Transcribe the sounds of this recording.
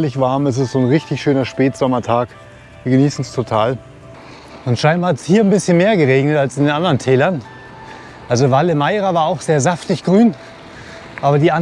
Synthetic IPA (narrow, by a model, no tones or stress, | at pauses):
lɪçv̥aɐmɛs̬ɪstz̥oːnʁɪçtɪçʃøːnɐʃpɛːtz̥ɔmɐtʰaːk | viːɐɡəniːsn̩stʰotʰaːl | ʊntʃaɪnbaatshiːɐnbɪsçənmeːɐɡəʁeːɡnətalsɪndeːnʔandəʁəntʰɛːlɐn | ʔalzovaləmaɪʁavaːɐaʊxz̥eːɐzaftɪçɡ̥ʁyːn | ʔaːbɐdiːʔa